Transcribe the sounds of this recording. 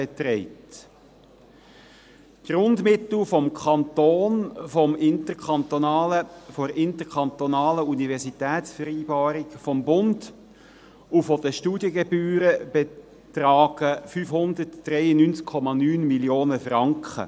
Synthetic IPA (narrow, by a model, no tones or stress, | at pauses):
bɛt̪ɾɛɪt | ɡ̥ɾʊndmɪt̪l̩fɔmkʰɑnt̪oːnfɔmɪntəɾkʰɑnt̪ɔnɑːləfɔɾɪnt̪əɾkʰɑnt̪ɔnɑːləunivɛʁsit̪ɛːtsfəɾiːbɑːɾikfɔmbʊnd | ufɔd̥əʃtuːdjəɡɛbyːɾəb̥ɛ | t̪ɾɑːɡ̥əfyːfhʊnd̪ətːɾɛjənynt͡skʰːɔmɑnyːnmiljoːnəfɾɑŋkχə̰